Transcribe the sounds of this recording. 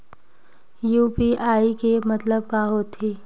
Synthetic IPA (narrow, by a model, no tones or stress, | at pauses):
juːpiaːikemɐt̪ləb̚kaɦot̪ʰeː